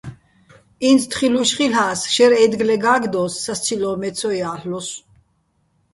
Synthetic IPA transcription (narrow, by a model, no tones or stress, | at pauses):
inst̪ʰχiluʃχilaːsʃɛɾɛd̪ɡlɛɡaːɡd̪ɔːsːast͡sʰilɔːmɛt͡sʰɔjaːɬlɔs